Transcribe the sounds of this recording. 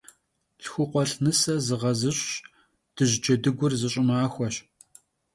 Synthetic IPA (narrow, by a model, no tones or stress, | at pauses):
ɬxʷʊqʷɔɬnɨsɐzɨʁɐzɨɕʼɕ | d̥ɨʑd͡ʒɐdɨɡʷʊrzɨɕʼɪmaːxʷɔɕ